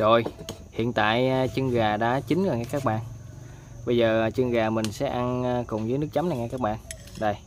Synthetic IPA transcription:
zo˨˩j | hḭ˧˨ənt̪a̰ː˧˨jt͡ɕə˧ŋɣaː˨˩ɗa̰ː˧˥t͡ɕï˨˦ŋəː˨˩ŋɛ˧˥˩kaː˦˥k̚ɓa̰ː˧˨n | ɓə˧jzəː˨˩˨t͡ɕɨ˧ŋɣaː˨˩mï˨˩ŋ̟sɛ̰˧˥ʔa˧nː˧kʊ˨˩ŋ͡mzəː˨˦jnɨ˦˥k̚t͡ɕa˨˦mna˨˩jŋɛ̰˧˩kaː˦˥k̚ɓa̰ː˧˨n | ɗə˨˧˩j

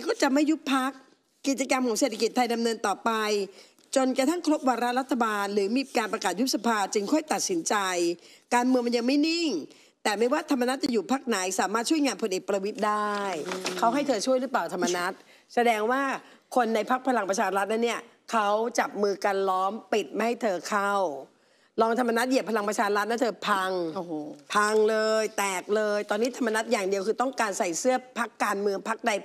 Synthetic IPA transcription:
kɔː˥˩t͡ɕa˨˩ma˥˩jːu˦˥pʰa˦˥k̚ː | i˨˩t̪̚t͡ɕa˧ka˧mkʰɔː˩˦ŋseː˨˩t̪ʰa˧ki˩t̪ʰːa˧jda˧mnɤː˧nt̪ɔː˨˩pa˧j | t͡ɕo˧nkɾa˧t̪ʰa˥˩ŋkʰɾo˦˥p̚waː˧ɾa˦˥ɾa˦˥t̪ʰːa˧baː˧nɾɯː˩˦miː˧kaː˧npɾa˧kaː˨˩t̪̚ju˦˥p̚sa˧pʰaː˧t͡ɕɯ˧ŋkʰɔː˥˩jt̪a˨˩t̪̚si˩˦nt͡ɕa˧jkaː˧nmɯ˧əŋma˧nja˧ŋma˥˩jni˥˩ŋ | t̪ɛː˨˩ma˥˩jwaː˥˩t̪ʰa˧mːa˧n˦˥t̪̚t͡ɕa˨˩juː˨˩pʰa˦˥k̚na˩˦jsaː˩˦maː˥˩t̪̚t͡ɕʰjŋaː˧npʰo˧nʔeː˨˩k̚pɾa˧wi˦˥t̪̚daː˥˩jkʰa˦˥wɦa˥˩jt̪ʰɤː˧t͡ɕʰu˥˩əjɾɯː˦˥p̬laː˨˩wt̪ʰa˧mːa˧na˦˥t̪̚ | sa˧dɛː˧ŋwaː˥˩ | kʰo˧nːa˧jpʰa˦˥k̚pʰa˧la˧ŋpɾa˧t͡ɕʰaː˧ɾa˦˥t̪̚na˦˥nːi˥˩ɐ | kʰa˦˥wt͡ɕa˨˩p̚mɯː˧ka˧nlɔː˦˥mpi˨˩t̪̚ma˧˩ha˥˩jt̪ʰɤː˧kʰa˥˩w | lɔː˧ŋt̪ʰa˧mːa˧na˦˥t̪̚ji˨˩pʰa˧la˧ŋpɾa˧t͡ɕʰaː˧ɾa˦˥t̪̚na˦˥˩t̪ʰɤː˧pʰa˧ŋpʰa˧ŋlɤː˧jt̪ɛː˨˩k̚lɤː˧jt̪ɔː˧nːiː˦˥t̪ʰa˧mːa˧na˦˥t̪̚jaː˨˩ŋdi˧əwkʰɯː˧t̪ɔ˥˩ŋkaː˧nsa˨˩jsɯ˥˩ɐpʰa˦˥kːaː˧nmɯ˧əŋpʰa˦˥k̚da˧j

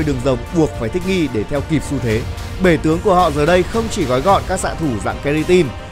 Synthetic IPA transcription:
jɗɨ˨˩əŋzə˨˩wŋ͡mɓu˨˩ək̚faː˧˩jt̪ʰï˦˥k̟̚ŋi˧ɗe˧˩t̪ʰɛ˧wki˨˩p̚su˧t̪ʰe˨˦ | ɓe˧˩t̪ɨ˨˦əŋku˧˩əhɔ̰˧˨zəː˨˩ɗə˧jxə˧wŋ͡mt͡ɕi˧˩ɣɔ˨˦jɣɔ̰˧˨nkaː˦˥k̚sa̰ː˧˨t̪ʰu˧˩za̰ː˧˨ŋkɛ˧li˧t̪i˧n

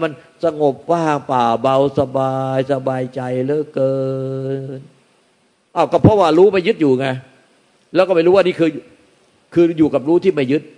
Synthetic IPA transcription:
ma˧n | sa˧ŋo˨˩p̚waː˥˩˨paː˨˩ba˧wsa˧baː˧jsa˧baː˧jt͡ɕa˧jlɤː˦˥˩kɤː˧n | ʔa˧˩wkɔ˥˩pʰɾɔ˦˥˩waː˥˩ɾuː˦˥ma˥˩jɯ˦˥t̪̚juː˨˩ŋa˧˩ | lɛː˦˥wkɔː˥˩ma˥˩jɾuː˦˥waː˧˦niː˥˩kʰɯː˧ | kʰɯː˧juː˨˩ka˨˩p̚ɾuː˦˥t̪ʰiː˥˩ma˥˩jɯ˦˥t̪̚

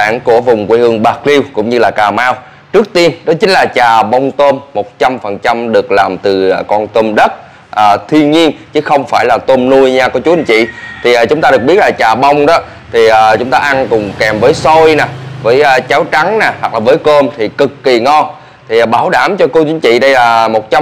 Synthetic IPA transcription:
a̰ː˧˨nku˧˩əvʊ˨˩ŋ͡mkwi˧˦hɨ˧əŋɓaː˨˩k̚li˧wkʊ̰˧˥ŋ͡mɲɨ˧laː˨˩kaː˨˩maː˧w | t͡ɕɨ˦˥ək̚t̪i˧ənɗɔ˨˦t͡ɕï˨˦ŋ̟laː˨˩t͡ɕaː˨˩ɓə˧wŋ͡mt̪o˧mːo˨˩t̚t͡ɕa˧mfə˨˩nt͡ɕa˧mɗɨ˨˩ək̚laː˨˩mt̪ɨ˨˩˨kɔ˧nt̪o˧mɗə˦˥t̚ | ʔəː˨˩t̪ʰwi˧ənɲi˧ənt͡ɕɨ˨˦xə˧wŋ͡mfaː˧˩jlaː˨˩t̪o˧mnu˧jɲaː˧kɔ˨˧˦t͡ɕu˦˥i˧˩ɲt͡ɕḭ˧˨t̪ʰi˨˩ʔaː˨˩t͡ɕʊ˨˦ŋ͡mt̪aː˧ɗɨ˨˩ək̚ɓi˦˥t̚laː˨˩t͡ɕaː˨˩ɓə˧wŋ͡mɗɔ˨˦ | t̪ʰi˨˩ʔəː˨˩t͡ɕʊ˨˦ŋ͡mt̪aː˧ʔa˧nkʊ˨˩ŋ͡mkɛ˨˩mvəː˨˦jso˧jna˨˩vəː˨˦jʔəː˧t͡ɕaː˨˦wt͡ɕa˨˦ŋnaː˨˩hwa˨˩k̚laː˨˩vəː˨˦jko˧mt̪ʰi˨˩kɨ˨˩kːi˨˩ŋɔ˧n | t̪ʰi˨˩˨ɓaː˧˩wɗaː˧˩mt͡ɕɔ˧ko˧˦t͡ɕi˨˦ŋt͡ɕḭ˧˨ɗə˧jlaː˨˩mo˨˩t̚t͡ɕa˧

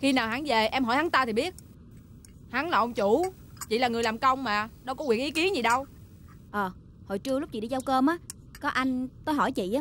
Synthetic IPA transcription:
xi˧naː˨˩wɦa˨˦ŋve˨˩ʔɛ˧mɦɔ̰˧˩jhaː˨˦ŋt̪aː˧t̪ʰi˨˩ɓi˦˥ət̚ | ha˨˦ŋlaː˨˩ʔə˧wŋ͡mt͡ɕu˧˩˦ | t͡ɕḭ˧˨laː˨˩ŋɨ˨˩əjlaː˨˩mkə˧wŋ͡mmaː˨˩nɔ˨˦kɔ˨˦wi˨˩əkʔi˨˦ki˨˦ənzi˨˩ɗə˧w | ʔəː˨˩ | ho̰˧˨jt͡ɕɨ˧əlk͡p̚t͡ɕḭ˨˩ɗi˧t͡ɕə˧wkəː˧mʔaː˨˦ | kɔ˨˦ʔa˧jŋ̟t̪o˧jɦɔ˧˩jt͡ɕḭ˧˨ʔaː˨˦

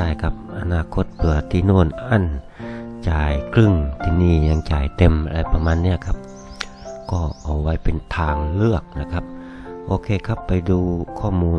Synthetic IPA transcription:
aː˧˩jkʰa˧˦˥p̚ʔa˧naː˧˩kʰo˧˦˥t̪̚pʰɯ˨˧˩ɐt̪ʰiː˧˩noː˧˥˩nʔa˧˥˨n | t͡ɕaː˨˩jkʰlɯ˧˩ŋt̪ʰiː˧niː˧˩ɲa˧ŋt͡ɕa̰ː˨˩jt̪e˨˧m˧a˧˩pa˧maː˧˥nːi˧˥˩ɐkʰa˦˥p̚ | kɔː˧˩ʔa˨˩wwa˦˥jpe˨nt̪ʰaː˧ŋlɯ˥˩ək̚na˧˥˩kʰa˦˥p̚ | ʔoː˧kʰeː˧kʰa˦˥pːa˨jduː˧kʰɔː˧˥˩muː˧

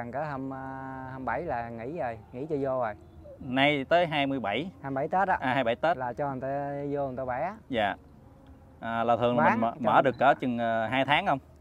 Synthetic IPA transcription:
a˨˩ŋkəː˨˦ɦə˧mː˧həː˧mɓa˧˩jlaː˨˩ŋḭ˧˥zə˨˩jŋḭ˧˥t͡ɕɔ˧zo˧ə˨˩j | na˧jt̪əː˨˦jɦaː˧jmɨ˧əjɓa˧˩jhaː˧jɓa˧˩jt̪ə˦˥t̚ɗɔ˧ʔaː˨haː˧jɓa˧˩jt̪ə˦˥laː˨˩t͡ɕɔ˧˨˩nt̪ːzo˧ə˨˩nt̪o˧˩ɓa˧˦za̰ː˧˨ | ʔaː˨˩laː˨˩t̪ʰɨ˨˩əŋla˨˩˨m˨˩˧mə̰ː˧˩ɗɨ˨˩kːəː˨˦t͡ɕɨ˨˩ŋə˨˩ɦaː˧jt̪ʰaː˨˦ŋhə˧wŋ͡m

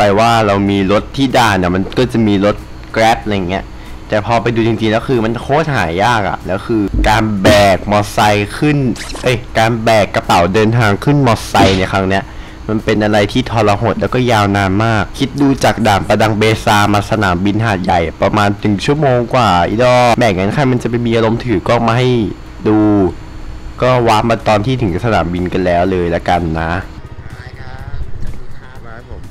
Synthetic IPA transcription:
paː˧waː˥˩ɾa˧wmiː˧ɾo˦˥t̪ʰːiː˥˩daː˥˩ni˥˩ɐma˧nkɔ˥˩t͡ɕa˨˩miː˧lo˦˥t̪̚ | kɾɛː˦˥p̚la˧ja˨˩ŋːi˦˥ɐ | t̪ɛː˨˩pʰɔː˧pa˧jduː˧t͡ɕi˧ŋt͡ɕi˧ŋlɛː˦˥kʰɯː˧ma˧nkʰoː˦˥˩t̪̚ɦaː˩˦jːaː˥˩k̚ʔa̰˨˩lɛː˦˥wkʰɯː˧kaː˧nbɛː˨˩k̚mɔ˧˩sa˧jkʰɯ˥˩nʔɤ˦˧˥jkaː˧nbɛː˨˩kːa˧pa˨˩˦wdɤː˧nt̪ʰaː˧ŋkʰɯ˥˩nmɔ˧sa˧jna˧jkʰɾa˦˥ŋni˦˥ɐ | ma˧npe˧nʔa˧ɾa˧jt̪ʰiː˥˩t̪ʰɔː˧la˧ɦo˨˩t̪̚lɛː˦˥wkɔː˥˩jaː˧wnaː˧nmaː˥˩k̚ʰːi˦˥t̪̚duː˧t͡ɕaː˨˩k̚daː˨˩mpa˧da˧ŋbeː˧saː˧maː˧sa˧naː˩˦mbi˧nɦaː˨˩t̪̚ja˨˩jpɾa˧maː˧nːɯ˨˩˦ŋt͡ɕʰu˥˩ɐmoː˧ŋkwaː˨˩ʔḭ˧˩dɔː˧˩bɛː˨˩k̚ŋa˦˥nkʰa˧jma˧nt͡ɕa˨˩pa˧jmiː˧ʔa˧ɾo˧mt̪ʰɯː˩˦kɔː˥˩ma˧ɦa˥˩j | duː˧ | kɔː˥˩waː˦˥ma˧t̪ɔː˧nt̪ʰiː˥˩t̪ʰɯ˩˦ŋ˦˩sa˧naː˩˦mbi˧nka˧nlɛː˦˥wlɤː˧jlɛ˦˥ka˧nːa˦˥˦

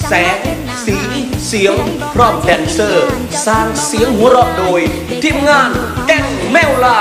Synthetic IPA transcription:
sɛː˨˩˦ŋ | siː˨˩˦si˨˩˦əŋ | pʰɾɔː˧˥˩mdɛː˧˩nsɤː˧˩ | saː˨˧˩ŋsi˩˦əŋɦu˨˩˦əɾɔː˧˩p̚doː˧j | t̪ʰiː˧˩ə˨mŋaː˧˩nkɛ˧˩n | mɛː˧˩wlaː˧˩

